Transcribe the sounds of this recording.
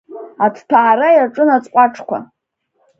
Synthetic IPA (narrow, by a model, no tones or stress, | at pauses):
atʰtʰaːɾajaʈ͡ʂʼɨnat͡sʼqʷʼaʈ͡ʂʰkʷʰa̰